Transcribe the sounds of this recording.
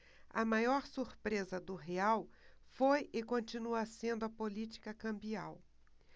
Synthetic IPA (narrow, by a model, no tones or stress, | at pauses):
ɐ̰majɔɾsuɾpɾezɐd̪ʊɦeawfojɪkõnt͡ʃinuɐsẽnd̪ʊɐpolit͡ʃi̥kɐkɐ̃mbia̰w